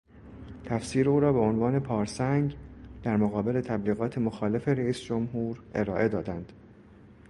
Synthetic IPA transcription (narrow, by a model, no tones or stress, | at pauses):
t̪ʰæfsiːɾeuːɾɒːbe̞o̞nvɒːne̞pʰɒːɾsæŋɡd̪̥æɾmoɣɒːbe̞le̞t̪ʰæbliːɣɒːt̪ʰe̞moxɒːle̞fe̞ɾæiːsd͡ʒo̞mɦuːɾe̞ɾɒːʔe̞d̪ɒːd̪ænd̪̥